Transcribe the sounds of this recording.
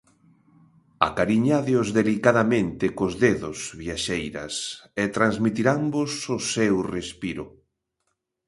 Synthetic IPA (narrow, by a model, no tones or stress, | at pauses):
a̰kaɾiɲaðeʊzðelikaðamẽnt̪ɪkozðeðʊsβiaʃejɾɐ̰set̪ɾanzmit̪iɾambososewrespiɾʊ̰